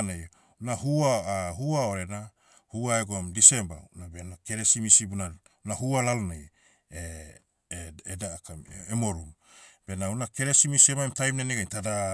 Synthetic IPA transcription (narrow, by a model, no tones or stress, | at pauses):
nej | unahuaaɦuaoɾe̞na | huaeɡoamdise̞mba̰unabenake̞ɾesimisibuna | unahualalonej | e | edakamemo̞ɾum | b̥e̞naunake̞ɾesimisiemaemtajmnaneɡajntada